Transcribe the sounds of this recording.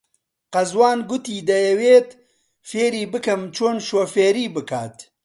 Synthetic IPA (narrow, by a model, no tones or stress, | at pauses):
qɐzwaːnɡʊt̪iːd̪ɐjɛweːt̪ | feːɾiːbɨkɐmt͡ʃʰoːnʃoːfeːɾiːbɨkʰa̰ːt̪